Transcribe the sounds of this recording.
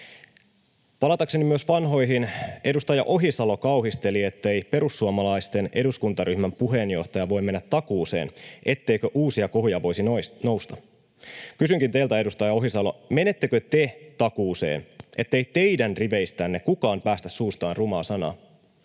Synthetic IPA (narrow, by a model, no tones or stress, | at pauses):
pɑlɑt̪ɑkse̞nimyøsʋɑnɦo̞jɦine̞dust̪ɑjɑ̰ʔo̞ɦisɑlo̞kɑwɦist̪e̞lie̞t̪ːejpe̞ɾusːuomɑlɑist̪e̞ne̞duskunt̪ɑɾyhmæmpuɦe̞njo̞̰ht̪ɑjɑʋo̞jme̞nːæt̪ːɑkuːse̞̰ːnʔe̞t̪ːe̞jkøʔuːsiɑkoɦjɑʋo̞jsino̞wst̪ɑ | kysyŋkint̪e̞ilt̪æedust̪ɑjɑo̞ɦisɑlo̞̰me̞ne̞t̪ːekøt̪e̞t̪ɑkuːse̞̰ːne̞̰t̪ːe̞ijt̪e̞jdænriʋe̞jst̪ænːekukɑːmpæːst̪æsːuːst̪ɑːnrumɑːsɑnɑ̰ː